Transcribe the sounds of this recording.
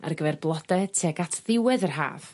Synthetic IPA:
a̰rɡəvɛrblˠɔdɛtʰiaɡatʰðɪwɛðərɦa̰ːv̥

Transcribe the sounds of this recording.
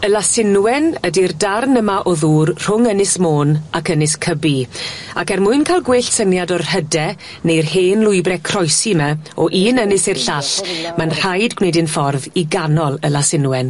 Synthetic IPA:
əlasɪnwɛnədirdarnəmaʔɔðuːrr̥ʊŋənɪsmoːnakənɪskʰəbiakɛrmʊɨnkʰalˠɡwɪɬsənjadɔrhədɛ | nejrheːnlˠʊɨbrɛkʰrɔjsimɛɔʔiːnənɪsɪrɬaɬmanr̥ajdɡwnedɪnfɔrðiɡanɔlˠəlasɪnwɛn

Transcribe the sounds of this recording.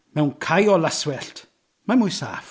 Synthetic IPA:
mɛwnkʰajɔlaswɛɬt | mamʊjsa̰ːf

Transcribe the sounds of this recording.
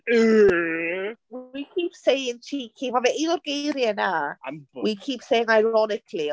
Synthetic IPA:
ə | wikʰiːˑpsejɪ̃ŋtʰikʰĩvavɛʔɪnɔɾɡejɾjəna | wikʰipsejɪ̃ŋajɾɔnɪkʰli

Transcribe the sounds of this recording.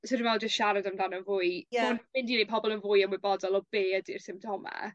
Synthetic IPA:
sɔdmvɛlˠd͡ʒəstʃaɾadamdanənvʊɨanmɪndinepʰɔbɔlˠənvʊjənmwɪbɔdɔlˠɔb̥eːədir̥sɪmp̚tʰɔma̰

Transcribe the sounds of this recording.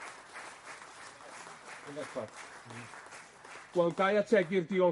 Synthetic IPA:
nɛkʰa | ɡ̥wɛlˠdajatʰɛɡɪrdiɔ

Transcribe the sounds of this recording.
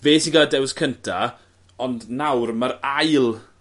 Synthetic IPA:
veːsinɡaladɛwskʰəntʰa | ɔndnawrməɾajlˠ

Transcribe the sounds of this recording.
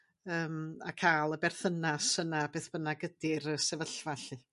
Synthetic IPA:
əːma̰kʰaːlˠəbɛrθənasənabeːθb̥ənaɡədiɾəsɛvəɬvaɬɨ

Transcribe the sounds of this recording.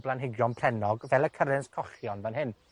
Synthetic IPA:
blanɦɪɡjɔnpʰrɛnɔɡvɛlˠəkʰəɾɪnskʰɔχjɔnvanɦɪn

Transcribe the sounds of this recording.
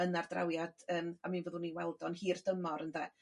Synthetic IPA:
ənardra̰wjad̥əːmamiːnvəːðʊniwɛlˠdɔnhiːrd̥əmɔɾənðɛ

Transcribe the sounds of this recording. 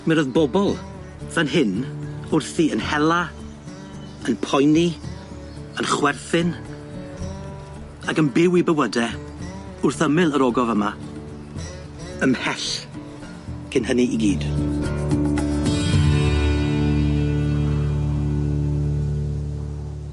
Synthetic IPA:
mɛɾɔðbɔbɔlˠ | ð̥ənɦɪnʊrθiənhɛlˠa | ənpʰɔjni | ənχwɛrθɪn | aɡənbɪwibəwədɛ | ʊrθəmɪlˠəɾɔɡɔvəma | əmhɛɬ | kʰɪnɦəniʔiɡiːd̥

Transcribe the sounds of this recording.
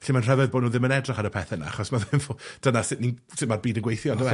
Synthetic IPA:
ɛɬimanr̥ɛvɛðboːdnuːðɪmənɛdraχaɾəpʰɛθɛna̰a̰χɔsmaðɪmvɔd̥ənasɪʔninsɪtmarbiːdənɡwejθjɔndəwɛ

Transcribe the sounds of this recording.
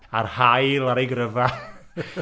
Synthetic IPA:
arhajlˠaɾejɡrəva

